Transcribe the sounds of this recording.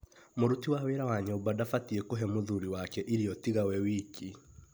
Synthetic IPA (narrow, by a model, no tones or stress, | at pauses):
moɾutiwaweɾawaɲobadafatiekoɦɛmoðuɾiwakɛʔiɾiɔtiɣawɛwiki